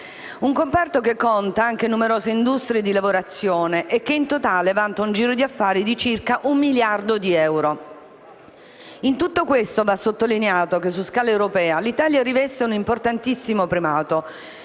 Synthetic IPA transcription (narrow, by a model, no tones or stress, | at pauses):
uŋkompɛrt̪okekːont̪aaŋkenumeɾoːzeind̪ust̪ɾied̪ilavoɾat̪sːjoːneʔekːeint̪ot̪aːlevant̪aund͡ʒiːɾod̪iafːaːɾid̪it͡ʃirkaʔumːiljard̪od̪iɛwɾo | int̪ut̪ːokwest̪ovasːot̪ːolineaːt̪ok̟es̬uskaːlaewɾopɛːalit̪aːljaɾivɛst̪eunimport̪ant̪isːimopɾimaːt̪o